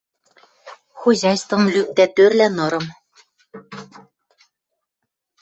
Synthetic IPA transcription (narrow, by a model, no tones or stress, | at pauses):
xoʑɑjst̪vɤ̆mlyp̚t̪æt̪ørlænɤ̆ɾɤ̆m